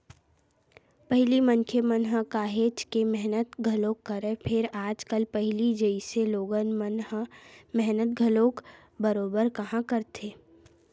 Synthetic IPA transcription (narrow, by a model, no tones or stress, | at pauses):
pɛɦlimənkʰemənɦəkaːɦeːt͡ʃkemɛɦnət̪ɡʱəloːkːəɾepʰɪɾaːd͡ʒkəlpɛɦlid͡ʒəiseloːɡənmənɦmɛɦnət̪̚ɡʱəloːk | bəɾoːbəɾkɐɦãkəɾt̪ʰeː